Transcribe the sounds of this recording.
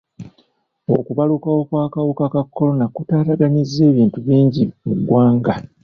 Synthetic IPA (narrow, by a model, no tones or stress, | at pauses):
o̞̰kuβalukawo̞kwaːkawukakakːo̞lo̞nakutaːɾaɡanizːe̞ːβiːntuβiːɲɟimuɡwaːŋɡa